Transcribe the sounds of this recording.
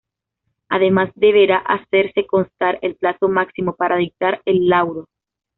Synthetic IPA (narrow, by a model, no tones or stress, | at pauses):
aðe̞mazd̪e̞β̞e̞ɾaʔase̞ɾse̞ko̞nst̪aɾe̞lplaso̞maksimo̞paɾʔaðik̚t̪aɾelːawɾo